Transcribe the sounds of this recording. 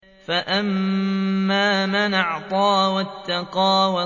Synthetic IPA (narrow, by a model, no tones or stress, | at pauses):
faʔamː | aːmanɑʕt̪ˤɑːwat̪ːɑqɑːwa